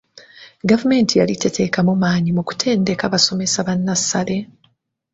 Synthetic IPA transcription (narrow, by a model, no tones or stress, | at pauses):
ɡavume̞ːntʰijalite̞tʰe̞kamumaːɲimuku̥tʰe̞ːnde̞kaβaso̞me̞saβanːasːale̞